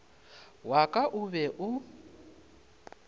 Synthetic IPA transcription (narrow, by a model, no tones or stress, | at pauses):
wakʼaʔʊβɛʔʊ